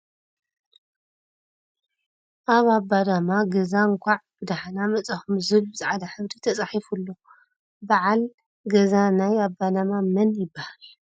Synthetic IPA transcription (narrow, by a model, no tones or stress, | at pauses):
ʔaβabːad̪amaɡɐzaŋkʷʰaʕb̥ɨd̪aħanamɐt͡sʼaxumzɨlbɨzʼaʕad̪aħɨβd̪it̪ʰɐt͡sʼaħifulːo̞ | baʕal | ɡɐzanajabːad̪amamɐnjɪbːahal